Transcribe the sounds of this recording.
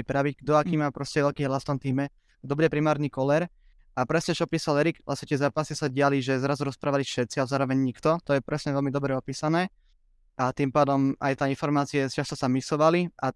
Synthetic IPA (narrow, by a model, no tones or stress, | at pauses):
pɾaʋicɡd̪ɔakiːmapɾɔscɛʋɛʎkiːɦlast̪ɔmt̪iːmɛ | d̪ɔbuɟɛpɾimaːɾnikɔlɛɾ | ʔapɾɛsɲɛt͡ʃɔpiːsalɛɾiɡʋlʔasɲɛt̪ɛzaːpasisaɟɪaliʒɛzɾazuɾɔspɾʔaːʋalifʃɛt̪t͡sialzaːɾɔʋɛɲɲikt̪ɔt̪ɔjɛpɾɛsɲɛʋɛlmid̪ɔbɾɛɔpiːsanɛː | ʔat̪impaːd̪ɔmajt̪aːinfɔɾmaːt͡siɛst͡ʃast̪ɔsamisɔʋaliʔa